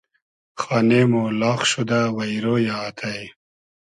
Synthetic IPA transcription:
xɑːnemolɑːχʃud̪awɐjɾoːjaːt̪ʰaj

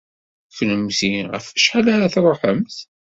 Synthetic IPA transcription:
fnəmθiʁə̰fæʃħalæɾaθɾˤoħəmθ

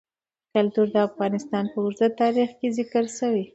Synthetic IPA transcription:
kalt̪uɾd̪əafɣɑnɪst̪ɑnpəʊɾzat̪t̪ːɑɾixkezɪkəɾsəwi

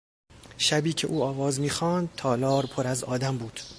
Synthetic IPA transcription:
ʃæbiːcʰeʔuːɒːvɒːzmiːxɒːnd̪̚t̪ʰɒːlɒːɾpʰoɾæzɒːd̪æmbuːd̪̥

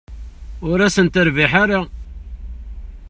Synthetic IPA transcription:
ʊɾæsənt̪əɾviħaɾa

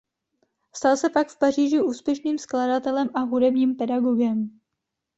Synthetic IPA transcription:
st̪alsɛpakfpariːʒɪʔuːspjɛʃniːmskladat̪ɛlɛmʔaɦudɛbɲiːmpɛdaɡoɡɛm

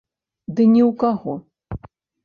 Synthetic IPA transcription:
d̪ɨnʲɛwkaɣɔ

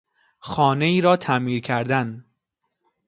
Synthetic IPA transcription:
xɒːne̞iːɾɒːt̪ʰæmiːɾkʰæɾd̪æn

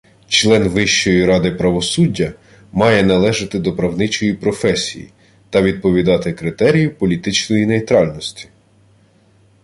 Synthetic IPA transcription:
t͡ʃlˠɛnʋɪʃt͡ʃɔjiɾɑd̪ɪpɾɐʋɔsudʲːɐ | mɑjɛnɐlˠɛʒɪt̪ɪd̪ɔpɾɐwnɪt͡ʃɔjipɾɔfɛsʲḭjḭ | t̪ɐʋʲid̪̚pɔʋʲid̪ɑt̪ɪkɾɪt̪ɛɾʲijʊpɔlʲit̪ɪt͡ʃnɔjinejt̪ɾɑlʲnɔsʲtʲi̥

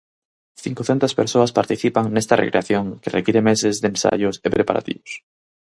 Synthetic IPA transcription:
θiŋkoθent̪aspeɾsoaspaɾt̪iθipaŋnest̪arḛkɾeaθjoŋkerʔekiɾemesezðensa̰ʝʊsepɾepa̰ɾa̰t̪ḭβos

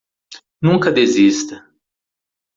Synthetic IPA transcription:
nũŋkɐd̪ezist̪ɐ

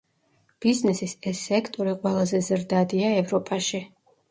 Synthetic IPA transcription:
b̥iznɛsisɛsːɛkʰt̪ʼɔɾiqʼwɛlˠazɛzɾd̪ad̪iaɛvɾɔpʼaʃi

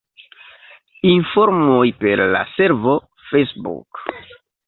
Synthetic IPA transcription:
infoɾmojpe̞ɾla̰se̞ɾvo̞ | fesbṵk

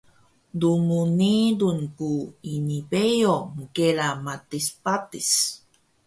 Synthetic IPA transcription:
dumunidunkuinipejomukelamatispatis

